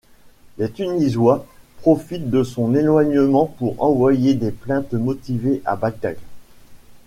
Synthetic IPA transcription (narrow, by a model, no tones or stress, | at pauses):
let̪ynizwapχɔfit̪̚d̪əsɔ̃nelwaɲəmɑ̃puʁɑ̰̃vwajed̪eplɛ̃t̪mɔt̪iveʔa̰baɡ̚d̪a̰ɡ